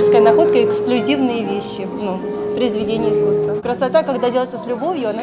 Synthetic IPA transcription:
skəjənɐxo̞t̪̚kəɪksklʲʉzʲivnɨjəvʲeɕːɪ | nu | pɾəɪzvʲɪdʲenʲɪjəɪskust̪vəkɾəsɐt̪akɐɡd̪adʲelˠəɪt̪ːəslʲʊbo̞vʲjʊɐna

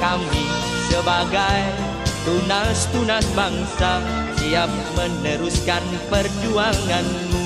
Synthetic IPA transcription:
kami | səbaɡaj | t̪unast̪unasbaŋsa | siap̚mənəɾuskan | pərd͡ʒuaŋanmu

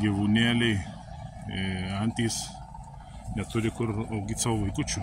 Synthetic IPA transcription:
ɡʲiʋuːnʲeːlʲɛɪ | ɐnʲt̪ʲiːs | nʲɛt̪ʊɾʲɪkʊroʊɡʲɪsɑːʋʋɐɪkʊt͡ʃʲu

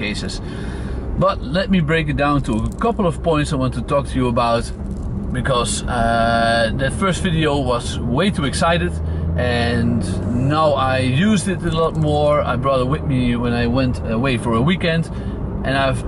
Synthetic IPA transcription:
eɪsɨz̥ | b̥ʌtlɛt̚mibɹeɪkɨt̚d̥ãʊ̃ntʰəəkʰʌpl̩ˠʌv̥pɔ̃ɪ̃ntsaɪwɑ̃ntʰɨtʰɔk̚tʰɨjɨəbaʊt̚ | b̥ɨkʰʌz̥ʌðɨtfɜ˞stvɪɾioʊwʌzweɪɾɨɨksaɪɾɨdʔɨ̃nːaʊʔaɪjʉzdɨɾɨlɔtmɔɹa̰ɪbɹɔɾət̚wɪðmiwə̃naɪwɛ̃ntʰəweɪfə˞əwikɛ̃nd | ʔɨ̃naɪv

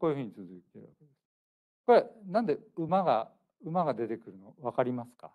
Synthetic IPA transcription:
koːiɯ̟ɸɯ̟ɲ̟it͡sɨzɨit̪eɾɯ̟βake̞d̪e̞sɨ̥ | ko̞ɾe̞nãnd̪eɯ̟maɡa | ɯ̟maɡad̪e̞t̪e̞kɯ̟ɾɯ̟no̞βakaɾʲimasɨ̥ka̰

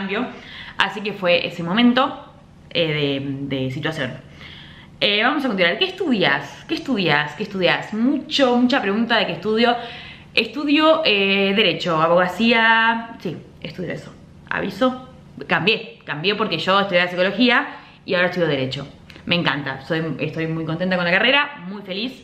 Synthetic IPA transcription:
ambjoa̰sike̞fwe̞ʔḛse̞mo̞mẽ̞nt̪o̞ | eðed̪es̬it̪wasjo̞̰n | eβamosakont̪inwaɾkeːhst̪uðjaskeːst̪uðjaskeːst̪uðjasmut͡ʃomut͡ʃapɾeɣunt̪aðekest̪uðjo̞ | est̪uðjo̞ʔeðe̞ɾet͡ʃo̞aβo̞ɣ̞asiasi | est̪uðjo̞̰eso̥ | a̰βiso̞ | kambje̞kambjepo̞ɾkeʒo̞est̪uðjealasiko̞lo̞xia | iao̞ɾaet̪uðjoðeɾe̞t͡ʃo̞̰ | mẽ̞ŋkant̪a̰so̞jest̪o̞jmujkont̪ent̪akonlakare̞ɾamujfe̞lis

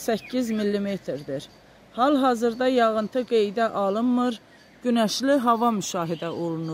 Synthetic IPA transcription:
sæcʰːizmilːimet̪ʰɾd̪iɾ | hɑlˠɦɑːzɯɾd̪ɑjɑɣɯnt̪ʰɯɡe̞jd̪æʔɑlˠɯnmɯɾ | ɟ̥ynæʃliɦɑvɑmyʃɑːɦid̪æʔo̞lˠunu

